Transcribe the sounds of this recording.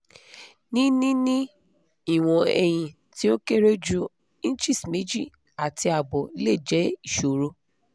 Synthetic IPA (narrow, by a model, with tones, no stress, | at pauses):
nĩ˦nĩ˦nĩ˦ | i˦˨w̃ɔ̃˧ɛ˨j̃ĩ˨ | ti˦o˦ke˦ɾe˦d͡ʒu˦ | i˦n̩˦t͡ʃi˦˨sme˨˦d͡ʒi˦˨ | a˨ti˧a˨bɔ˨i˦le˦˨d͡ʒɛ˨˦i˦˨ʃo˨ɾo˧